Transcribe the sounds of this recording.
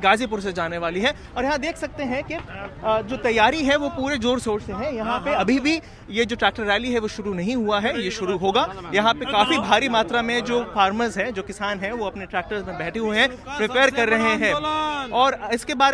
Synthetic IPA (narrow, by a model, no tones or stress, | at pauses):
ɡaːzip̬ʊɾs̬ed͡ʒaːneʋaːliɦɛ | ɔːɾjɐɦãd̪eːkʰsɐk̚t̪eɦɛ̃ked͡ʒoːt̪ɐjaːɾiɦɛʋopuːɾed͡ʒoːɾsoːt͡ʃseɦɛ̃jɐɦãpeɐbʱibʱi | jed͡ʒoːʈɾɛːk̚ʈəɾːɛːliɦɛʋoʃʊɾunɐɦĩɦuaɦɛjeʃʊɾuɦoːɡaːjɐɦãpekaːfibʱaːɾimaːt̪ɾamẽd͡ʒoːfaːɾməzɦɛd͡ʒoːkɪsaːnɦɛʋoɐpneʈɾɛːk̚ʈəɾzmẽbɛːʈʰeɦueɦɛ̃ | pɾɪpeːɾkɐɾːɐɦeɦɛ̃ːɔːɾɪskebaːɾ